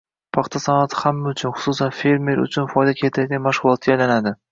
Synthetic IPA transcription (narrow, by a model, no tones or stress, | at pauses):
pʰɑχt̪ʰasanat̪ʰɪ̥hamːaʊt͡ʃʰʊnχʊ̥susanfe̞ɾme̞ɾʊ̰t͡ʃʰʊnfɒjd̪akʲʰet̪ʰat̪ɡʲanmaʃʁʊlˠɒt̪̚ɡʲajlanad̪ɪ